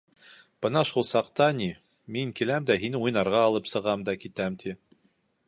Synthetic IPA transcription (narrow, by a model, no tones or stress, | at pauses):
b̥ɤnɑʃulˠsɑqt̪ɑni | miŋkilæmd̪æɦinujnɑɾʁɑːlˠɤpsɤ̆ʁɑmd̪ɑkit̪æmt̪ʰi